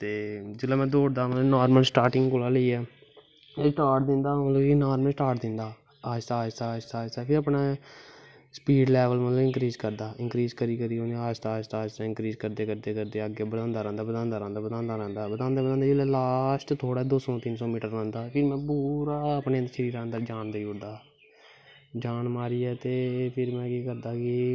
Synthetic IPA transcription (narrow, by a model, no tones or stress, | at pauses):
t̪eːd͡ʒɪlːaːmɛ̃ːd̪oːɽd̪aːmət̪lənaːɾməlsʈaːɾʈɪ̃ŋɡkoːlaːləiɛː | esʈaːʈ̚d̪ɪnd̪aːmət̪ləbenaːɾməsʈaːɾʈd̪ɪnd̪aː | aːɪst̪aːst̪aːɪst̪aːɪst̪aːpʰɪɾəpnaː | spiːɖlɛːʋəlmət̪ləbɪŋkɾiːzkəɾd̪aːɪ̃ŋkɾiːzkəɾiːkəɾiːõːnaːst̪aːst̪aːst̪aːɪ̃ŋkɾiːzkəɾd̪eːkəɾd̪eːkəɾd̪eːəɡeːbəd̪ãːnd̪aːɾãːnd̪aːbəd̪ãːnd̪aːɾãːnd̪aːbəd̪ãːnd̪aːɾãːnd̪aːbəd̪ãːnd̪aːbəãːnd̪aːlɛːlaːsʈt̪ʰoːɽaːd̪oːsɔ̃ːt̪ɪnsɔ̃ːmiːʈəɾːãːnd̪aːpʰɪɾmɛ̃ːbuːɾaːəpnẽːənd̪ɾʃəɾiːɾaːənd̪əd͡ʒaːɳd̪aːiʊɾd̪aː | d͡ʒaːnmaːɾiːɛːt̪eːpʰɪɾmɛ̃ːkiːkəɾd̪aːkɪ